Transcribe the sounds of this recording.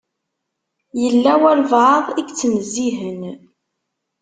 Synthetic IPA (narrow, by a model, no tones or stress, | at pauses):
jəlːæwæɾvʕəðˤiɡt͡sːənəzːiɦən